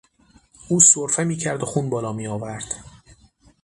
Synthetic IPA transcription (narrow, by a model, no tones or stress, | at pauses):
ʔuːsoɾfe̞miːcʰæɾd̪oxuːnbɒːlɒːmiːɒːvæɾd̪̥